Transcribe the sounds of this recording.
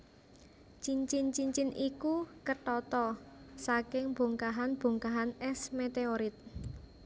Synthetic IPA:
t͡ʃiɲt͡ʃɪnt͡ʃiɲt͡ʃɪnʔikukəʈɔt̪ɔsakɪŋb̥o̤ŋkaɦanb̥o̤ŋkaɦanɛsmet̪eoɾɪt̪̚

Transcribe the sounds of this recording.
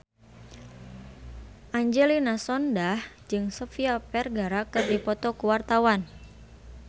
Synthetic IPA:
ʔaɲd͡ʒɛlinasɔndah | d͡ʒɨŋsɔfiapɛrɡaɾakɨrdipɔt̪ɔkuwart̪awan

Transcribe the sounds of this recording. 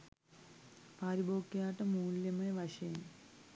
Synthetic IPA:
paːɾiboːkːjaːʈːɐmuːljɐmɐnɐʋɐʂɐjn

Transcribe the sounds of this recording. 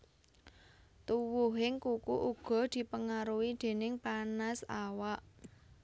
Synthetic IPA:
t̪uwuɦɪŋkukuʔuɡ̥ɔ̤d̪̥i̤pəŋaɾuwid̪̥e̤nɪŋpanasawaʔ

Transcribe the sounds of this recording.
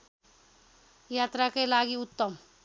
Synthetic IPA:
jat̪ɾakelaɡiʊt̪ːəm

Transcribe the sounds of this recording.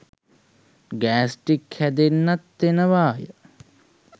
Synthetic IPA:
ɡæːsʈikhæd̪enːat̪ːenəʋaːjə

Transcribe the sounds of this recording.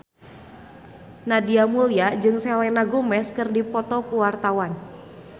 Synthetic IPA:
nadiamuliad͡ʒɨŋsɛlɛnaɡumɛskɨrdipɔt̪ɔkuwart̪awan

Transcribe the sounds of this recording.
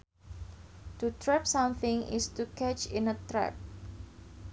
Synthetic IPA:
t̪ut̪ɾɛpsamθɪ̃ŋɪ̰st̪ukɛt͡ʃɪnət̪ɾɛ̰p̚

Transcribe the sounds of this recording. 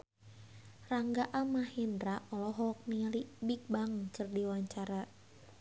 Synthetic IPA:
raŋɡaʔamahindɾaʔɔlɔɦɔk̚nilibik̚baŋkərdiwaɲt͡ʃaɾa

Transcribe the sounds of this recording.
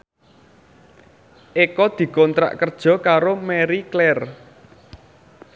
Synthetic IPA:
ʔekɔd̪̥i̤kɔnt̪ɾa̰ʔkərd̥ʒ̥ɔ̤kaɾomɛɾiklɛr

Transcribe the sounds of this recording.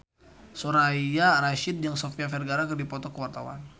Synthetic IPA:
soɾaijaɾaʃɪt̪̚jaŋsɔfiafɛrɡaɾakərdipɔt̪ɔkəwart̪awa̰n

